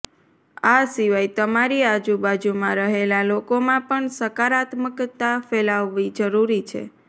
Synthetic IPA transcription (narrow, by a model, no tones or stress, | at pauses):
asiʋajt̪əmaɾiad͡ʒubad͡ʒumãɾəɦelalokomãpəɳsəkaɾat̪məkt̪afelaʋːid͡ʒəɾuɾit͡ʃʰḛ